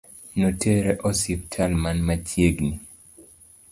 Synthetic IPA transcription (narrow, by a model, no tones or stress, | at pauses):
notʰeɾeʔɔsip̚tʰalmanmat͡ʃjeɡni